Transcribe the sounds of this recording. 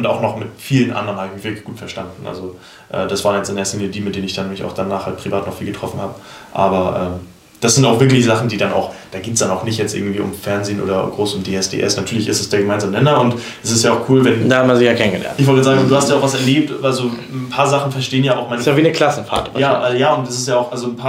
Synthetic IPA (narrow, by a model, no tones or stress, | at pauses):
ʊntaʊxnɔχmɪtfiːlənʔa̰ndəʁənhabɪçmɪçv̥ɪɐklɪçɡ̥uːtfɛɐʃtandn̩ʔa̰lzo | ʔɛ̰ːd̥asv̥aːʁnjɛt͡sʔɪndeːɐseːnədiːmɪt̚d̥eːnənɪçd̥anmɪçaʊxd̥anaːχhalt̚pʁ̥ivaːtnɔχfiːlɡətʁ̥ɔfn̩haːbə | ʔa̰ːbɐʔɛːm | d̥asz̥ɪntaʊxv̥ɪɐklɪçz̥aχn̩diːdanaʊxd̥aːɡiːtsd̥anaʊxnɪçtjɛt͡stʔɪɐɡŋ̩tv̥iːʔʊ̰mfɛɐnzeːno̰ːdɐɡʁoːsʊmdeːɛsd̥ḛːʔɛ̰snatʰyːɐlɪçɪstɛsd̥eːɡəmaɪnzaːmənɛnɐʊnt | ʔɛsɪstjaːʊxkʰuːlvɛnd̥aːhatmanzɪçjaːkʰɛnən̩ɡəlɛ̰ɐntɪçv̥ɔltjɛzaːɡŋzduːhastjaʊv̥asɛɐleːp̚tvalzo | n̩pʰaːɐzaχn̩fɛɐʃteːənjaːʔaʊxmaɪnsjaviːnəkʰl̥asn̩fa̰ːɐtjaːʔɛːjaːʊntɛsɪ̥stjaːʊxʔalzonpʰaː